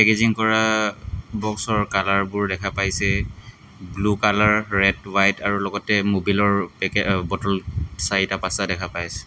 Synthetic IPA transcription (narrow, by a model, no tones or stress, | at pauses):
pɛkeziŋkɔɹa | bɔksɔɹkalaɹbʊɹdɛkʰapajsɛ | blukalaɹːɛdwajtaɹulɔɡɔtɛmobilɔɹpɛkbɔtɔlsaɹitapasadɛkʰapajsɛ̥